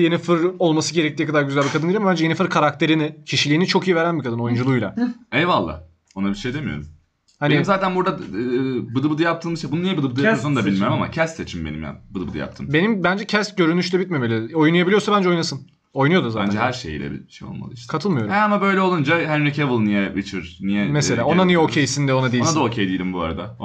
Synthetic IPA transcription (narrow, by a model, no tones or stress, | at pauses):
je̞nifɯɾo̞lˠmasɯɟe̞ɾɛc̚t̪ʰijɛkʰad̪aɾɟyzælʲbikʰad̪ɯniɾamabænd͡ʒɛjeifɯɾkʰaɾak̚t̪ʰe̞ɾinɪcʰiʃilʲiːnit͡ʃʰo̞kijive̞ɾænbikʰad̪ɯno̞jund͡ʒulˠuːjlʲˠa̰ɛjvalˠːa̰ː | onabiʃejd̪emijo̰ɾṵm | haneiimzaːt̪ʰænbuɾd̪a | bɯd̪ɯbɯd̪ɯjapt̪ʰɯːmɯʃt̪abununijɛbɯd̪ɯbɯd̪sond̪abilʲmijoɾumama̰cʰɛst̪set͡ʃʰimbenḭmja̰bɯd̪ɯbɯd̪ɯ̰ja̰p̚t̪ʰɯmbe̞nimbænd͡ʒɛcʰɛst̪̚ɟø̞ɾynyʃlʲɛbit̪me̞melʲio̞junujabilʲijosabænd͡ʒeojnasɯn | o̞jnujo̞d̪uzaːænd͡ʒɛɦæɾʃej̰lʲɛ̰bḭʃejo̰lˠma̰ɯiʃt̪kʰat̪ʰɯlˠmɯjo̞ɾuhɛamabø̞jlʲɛo̞lˠund͡ʒaɦænɾicʰevɯlˠnijɛvit͡ʃʰiɾ̥nijɛmese̞lʲaːonanijɛocʰejsind̪ɛo̞nad̪ijonad̪aocʰejd̪ijilʲimbua̰ɾad̪a